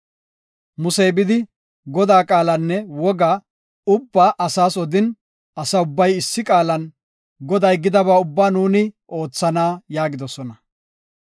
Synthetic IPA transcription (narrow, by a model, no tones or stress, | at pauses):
mʊsɛjbɪd̪ɪ | ɡɔd̪aːkʼaːlɐnːɛwɔɡa | ʊbːaːʔɐsaːsɔd̪ɪn | ɐsɐʊbːɐjɪsːɪkʼaːlɐn | ɡɔd̪ɐjɡɪd̪ɐbaːʊbːaːnuːnɪʔo̞ːt͡sːɐnaːjaːɡɪd̪ɔsɔnɐ